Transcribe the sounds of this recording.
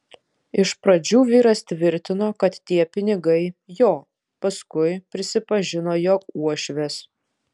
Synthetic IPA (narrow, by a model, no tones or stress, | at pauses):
ɪʃpɾɐd͡ʒʲuːʋʲiːɾɐst̪ʲʋʲɪɾʲt̪ʲɪnoːkɐt̪t̪ʲiɛpʲɪnʲɪɡɐɪjoː | pɐskʊɪpʲɾʲɪsʲɪpɐʒʲɪnoːjoːuɔʃʲʋʲɛs